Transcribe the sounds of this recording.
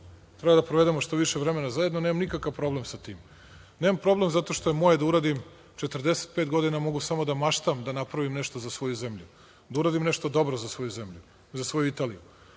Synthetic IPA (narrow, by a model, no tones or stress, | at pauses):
t̪ɾebad̪apɾoʋe̞d̪emoʃt̪oʋiʃevɾeme̞nazajed̪nonemamnikakaʋpɾo̞blemsat̪iːm | nemampɾo̞ble̞mzat̪o̞ʃt̪ojemojed̪auɾaːd̪im | t͡ʃet̪ər̩d̪ese̥t̪̚pe̞ːt̪ɡo̞d̪inamo̞ɡusamo̞d̪amaʃt̪amd̪anapɾaʋimneʃt̪ozasʋo̞juzemʎu | d̪auɾaːd̪imneʃt̪od̪o̞bɾozasʋo̞juzemʎu | zasʋo̞juit̪aːlḭju